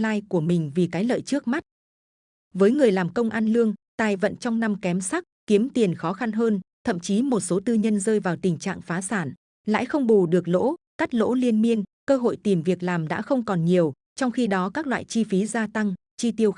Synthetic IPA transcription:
laː˧jku˧˩əmï˨˩ŋ̟vi˨˩kaː˨˦jlə̰ː˧˨jt͡ɕɨ˦˥ək̚ma˦˥t̚ | vəː˨˦jŋɨ˨˩əjlaː˨˩mkə˧wŋ͡mʔa˧nlɨ˧əŋt̪aː˨˩jvə̰˧˨nt͡ɕɔ˧wŋ͡mna˧mkɛ˨˦msa˦˥k̚ki˨˦əmt̪i˨˩ənxɔ˨˦xa˧nɦəː˧nt̪ʰə̰˧˨mt͡ɕi˨˦mo˨˩t̚so˨˦t̪ɨ˧ɲə˧nzəː˧jvaː˨˩wt̪ï˨˩ŋ̟t͡ɕa̰ː˧˨ŋfaː˨˦saː˧˩n | la̰ː˧˥jxə˧wŋ͡mɓu˨˩ɗɨ˨˩ək̚lo̰˧˥kaː˦˥k̚lo̰˧˥li˧ənmi˧ənkəː˧ɦo̰˧˨jt̪i˨˩mvi˨˩ək̚laː˨˩mɗa̰ː˧˥xə˧wŋ͡mkɔ˨˩nɲi˨˩əw | t͡ɕɔ˧wŋ͡mxi˧ɗɔ˨˦kaː˦˥k̚lwa̰ː˧˨jt͡ɕi˧fi˨˦zaː˧t̪a˧ŋ | t͡ɕi˧t̪i˧əw

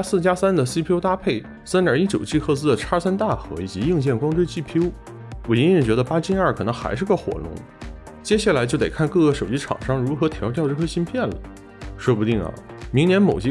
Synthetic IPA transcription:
sɹ̩˥˩t͡ɕja˥sa˥nd̪ə˨si˥˩pʰjo˥ʊt̪a˥pʰe˥˩ɪ | sa˥njɑ̰˞˨˩i˥˩t͡ɕjo˨˩ʊt͡ɕʰi˥˧xʰɤ˥˧t͡sɹ̩˥d̪ə˨˩ʈ͡ʂʰa˥sa˥nt̪a˥˩xɤ̰˧˥i˨˩t͡ɕi˧˥ji˥˧ŋt͡ɕjɛ˥˩nkwɑ˥ŋʈ͡ʂwe˥ɪt͡ɕi˥˩pʰjo˥ʊ | wɔ˨˩i˥ɻi˥˩t͡ɕɥɛ˧˥d̪ə˧pa˥t͡ɕi˥nɐ˞˥˩kʰɤ˨˩nɤ˧˥ŋxa̰˧˥ɪʂɻ̩˥˩ɡə˧xwɔ̰˨˩lʊ̰˧˥ŋ | t͡ɕjɛ˥ɕja˥˩la˧˥ɪt͡ɕjo˥˩ʊt̪e˨˩ɪkʰa˥˧nkɤ˥˧ɡə˩ʂo˨˩ʊt͡ɕi˥ʈ͡ʂʰɑ̰˨˩ŋʂɑ˥ŋɻu˧˥xɤ˧˥t̪ʰjɑ˧˥ʊt̪jɑ˥˧ʊʈ͡ʂɤ˥˩kʰɤ˥ɕi˥npʰjɛ˥˩nlə̰˩ | ʂwɔ˥pu˥˧t̪i˥˩ŋɐ̰˩mi˧˥ŋnjɛ˧˥nmo˨˩ʊt͡ɕi˥

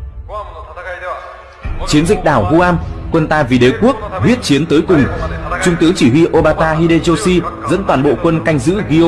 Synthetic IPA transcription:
t͡ɕi˨˦ənzï˨˩k̟̚ɗaː˧˩wɦu˧ʔaː˧mkwə˧nt̪aː˧vi˨˩ɗe˨˦ku˦˥ək̚hwi˦˥ət̚t͡ɕi˨˦ənt̪əː˨˦jkʊ˨˩ŋ͡mt͡ɕʊ˧ŋ͡mt̪ɨ˨˦əŋt͡ɕi˧˩ɦwi˧ʔo˧ɓaː˧t̪aː˧ɦi˧ɗe˧zo˧si˧zə̰˧˥nt̪waː˨˩nɓo̰˧˨kwə˧nka˧jŋ̟zɨ̰˧˥ɣi˧

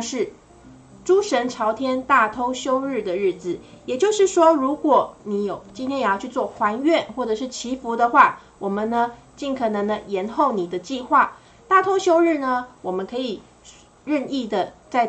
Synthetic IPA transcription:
ʂɻ̩˥˩ | ʈ͡ʂu˥ʂə˧˥nʈ͡ʂʰɑ˧˥ʊt̪ʰjɛ˥nt̪a˥˩t̪ʰo˥ʊɕjo˥ʊɻɻ̩˥˩d̪ə˩ɻɻ̩˥˩d͡z̩˨˩jɛ˨˩t͡ɕjo˥˧ʊʂɻ̩˥˩ʂwɔ˥ɻu˧˥kwɔ˨˩ni˧˥jo˨˩ʊt͡ɕi˥nt̪ʰjɛ˥njjɑ˥˧ʊt͡ɕʰy˥˧t͡swɔ˥˩xwa˧˥nɥɛ˥˨nxwɔ˥˩ʈ͡ʂɤ˨˩ʂɻ̩˥˩t͡ɕʰi˧˥fu˧˥d̪ə˧xwa˥˩ | wɔ˨˩mə˨nːə˧ | t͡ɕi˥˩nkʰɤ˨˩nə˧˥ŋd̪ə˧jɛ˧˥nxo˥˩ʊni˨˩d̪ə˦t͡ɕi˥˧xwa˥˩ | t̪a˥˩t̪ʰo˥ʊɕjo˥ʊɻɻ̩˥˩nə˩wɔ˨˩mə˦nkʰɤ˧˥i˨˩ | ɻə˥˧ni˥˩d̪ə˩t͡sa˥˧ɪ

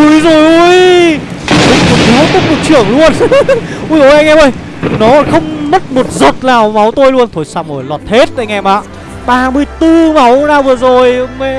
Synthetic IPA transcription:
u˨˦jzo˨˩jʔu˧j | ʊ̰˨˧˦ko˨˩a˨˦wk̪ɔ˦˥t̚mo˨˩t̚t͡ɕɨ˧˩əŋlu˧ənʔu˧jo˧˩ʔɛ˧ŋɛ˧mʔə˧˩j | nɔ˨˦˧xə˧wŋ͡mmə˦˥t̚mo˨˩t̚zə˨˩t̚naː˨˩wma˨˦wt̪o˧jlu˧ənt̪ʰo˧˩jsaː˧wmo˨˩jlwɔ˨˩t̚he˦˥t̚t̪a̰ː˧˨ŋɛ˧mɓa̰ː˧˨ | ɓaː˧mɨ˧əjt̪ɨ˧ma˨˦wnaː˨˩wvɨ˨˩əzo˨˩jme˧

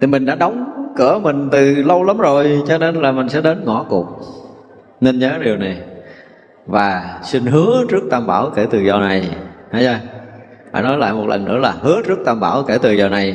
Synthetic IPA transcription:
t̪ʰi˨˩mï˨˩ŋ̟ɗa̰ː˧˥ɗɔ˨˦wŋ͡mkɨ˧˩əmï˨˩ŋ̟t̪ɨ˨˩lə˧wlə˨˦mzo˨˩jt͡ɕɔ˧ne˧nlaː˨˩mï˨˩ŋ̟sɛ̰˧˥ɗe˨˦nŋɔ˧˩˦kʊ˨˩ək͡p̚ | ne˧nɲəː˨˦ɗi˨˩əwna˨˩j | vaː˨˩si˧ŋ̟ɦɨ˨˦ət͡ɕɨ˦˥ək̚t̪aː˧mɓaː˧˩wke˧˩t̪ɨ˨˩zɔ˧na˨˩jha˨˦jzaː˧ | fa̰ː˧˩nɔ˨˦jla̰ː˧˨jmo˨˩t̚lə̰˨˩nʔɨ̰˧˥əlaː˨˩hɨ˨˦ət͡ɕɨ˦˥ək̚t̪aː˧mɓaː˧˩wke˧˩t̪ɨ˨˩zɔ˧na˨˩j

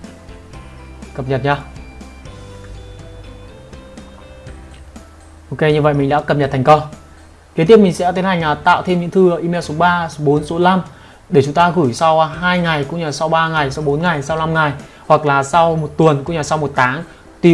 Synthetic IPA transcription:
kə˨˩p̚ɲə˨˩t̚ɲaː˧ | ʔo˧ke˧ɲɨ˧və̰˧˨jmï̟˨˩ɗa̰ː˧˥kə˨˩p̚ɲə˨˩t̪̚ʰa˨˩ŋ̟kɔ˧ | ki˨˦t̪i˦˥əp̚mi̟˨˩sɛ̰˧˥t̪i˨˦nha˨˩jŋ̟ʔaː˨˩t̪a̰ː˧˨wt̪ʰe˧mɲɨ̰˧˥ŋt̪ʰɨ˧˨˧ʔi˧me˧wso˨˦ɓaː˧˨˦ɓo˨˦nso˨˦la˧m | ɗe˧˩t͡ɕʊ˨˦ŋ͡mt̪aː˧ɣɨ˧˩jsa˧wɦaː˧jŋa˨˩jkʊ̰˧˥ŋ͡mɲaː˧˩sa˧wɓaː˧ŋa˨˩jsa˨˧wɓo˨˦nŋa˨˩jsa˧wna˧mŋa˨˩j | hwa˨˩k̚laː˨˩sa˧wmo˨˩t̚t̪wnkʊ̰˧˥ɲaː˧˩sa˧wmo˨˩t̚t̪ʰaː˨˦ŋ | t̪i˧˩

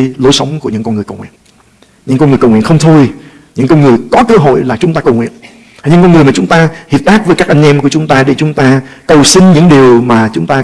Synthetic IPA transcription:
lo˨˦jsə˨˦wŋ͡mku˧˩əɲɨ̰˧˥ŋkɔ˧nŋɨ˨˩əjkə˨˩wŋwḭ˧˨ən | ɲɨ̰˧˥ŋkɔ˧nŋɨ˨˩jkwŋw̰ə˨xə˧wŋ͡mt̪ʰo˧j | ɲɨ̰˧˥ŋkɔ˧nŋɨ˨˩əjkɔ˨˦kəː˧ɦo̰˧˨jlaː˨˩t͡ɕʊ˨˦ŋ͡mt̪aː˧kə˨˩wŋḭ˧˨ən | a˨˩ɲɨ̰˧˥ŋkɔ˧nŋɨ˨˩əjmaː˨˩t͡ɕʊ˨˦ŋ͡mt̪aː˧hi˨˩əp̚ɗ̪aː˦˥k̚vəː˨˦jkaː˦˥k̚ʔa˧jŋ̟ʔɛ˧mku˧˩ət͡ɕʊ˨˦ŋ͡mt̪aː˧ɗe˧˩t͡ɕʊ˨˦ŋ͡mt̪aː˧kə˨˩wsï˧ŋ̟ɲɨ̰˧˥ŋɗi˨˩əwmaː˨˩t͡ɕʊ˨˦ŋ͡mt̪aː˧

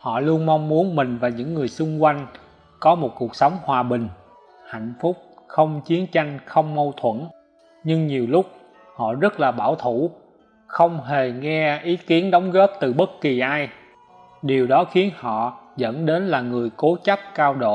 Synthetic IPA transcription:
hɔ̰˧˨lu˧ənma˧wŋ͡mmu˨˦ənmï˨˩ŋ̟vaː˨˩ɲɨ̰˧˥ŋːɨ˨˩əjsʊ˧ŋ͡mkwa˧jŋ̟ | kɔ˨˦mo˨˩t̚ku˨˩ək̚sə˨˦wŋ͡mhwaː˨˩ɓï˨˩ŋ̟ | ha̰˧˨jŋ̟fʊ˦˥k͡p̚xə˧wŋ͡mt͡ɕi˨˦ənt͡ɕa˧jŋ̟xə˧wŋ͡mmə˧wt̪ʰwə̰˧˥n | ɲɨ˧ŋɲi˨˩əwlʊ˦˥k͡p̚ | hɔ̰˧˨zə˦˥t̚laː˨˩ɓaː˧˩wt̪ʰu˧˩ | xə˧wŋ͡mɦe˨˩ŋɛ˧ʔi˨˦ki˨˦ənɗə˨˦wŋ͡mɣɔ˦˥p̚t̪ɨ˨˩ɓə˦˥t̚ki˨˩ʔaː˧j | ɗi˨˩əwɗɔ˨˦xi˨˦ənhɔ̰˧˨zə̰˧˥nɗe˨˦nlaː˨˩ŋɨ˨˩əjko˨˦t͡ɕə˦˥p̚kaː˧wɗo̰˧˨

